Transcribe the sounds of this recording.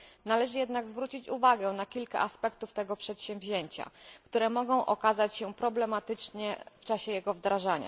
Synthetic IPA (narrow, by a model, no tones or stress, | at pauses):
nalɛʐɘjɛd̪naɡzvɾut͡ɕit͡ɕuvaɡɛnakʲilka̰ʔaspɛkt̪uft̪ɛɡɔpʂɛt̪ɕɛ̃mvʲʑeɲt͡ɕa̰kt̪uɾɛmɔɡɔ̃w̃ʔɔkazat͡ɕɕɛpɾɔblɛmat̪ɘt͡ʂɲɛft͡ʂaɕɛjɛɡɔvd̪ɾaʐaɲa̰